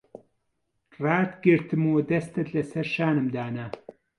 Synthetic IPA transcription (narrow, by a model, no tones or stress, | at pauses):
raːt̪ɡɨɾt̪ʰɨmwɐd̪ɐst̪ʰɐt̪lɐsɐɾʃaːnɨmd̪aːnɐ